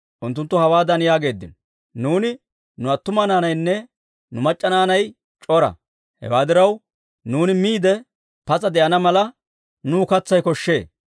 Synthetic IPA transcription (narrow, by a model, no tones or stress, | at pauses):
ʔʊnt̪ːʊnt̪ːʊhɐwaːd̪ɐnjaːɡe̞ːd̪ːɪ̰nɔ | nuːnɪ | nʊɐt̪ːʊmɐnaːnɐjnːɛ | nʊmɐt͡ʃʼːɐnaːnɐj | t͡ʃʼɔɾɐ̰ | hɛ̰waːd̪ɪɾɐw | nuːnɪmiːd̪ɛ | pɐt͡sʼɐd̪ɛʔɐnɐmɐlɐ | nuːkɐt͡sːɐjkɔʃːe̞ː